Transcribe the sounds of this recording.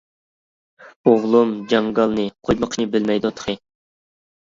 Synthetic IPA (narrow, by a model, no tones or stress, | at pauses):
oʁlˠumd͡ʒɑŋɡɑlˠnɨqʰojməqʰnɨbɪlmɛjd̪ut̪ʰqʰɨ